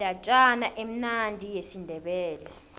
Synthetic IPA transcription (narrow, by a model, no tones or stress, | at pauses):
at͡ʃʼanaʔem̩nandʱijesindʱɛɓɛːlɛ